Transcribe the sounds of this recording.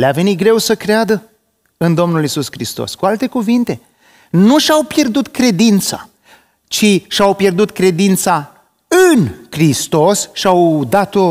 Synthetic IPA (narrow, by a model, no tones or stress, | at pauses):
leave̞nit̪̚ɡɾe̞wsəkɾead̪ə | ɨnd̪o̞mnulisuskɾist̪o̞̰skualt̪e̞kuvint̪e̞ | nuʃawpje̞rd̪ut̪kɾe̞d̪int̪sa̰ | t͡ʃiʃawpje̞rd̪ut̪kɾe̞d̪int̪sa | ɨnkɾist̪o̞sʃiawd̪at̪o̞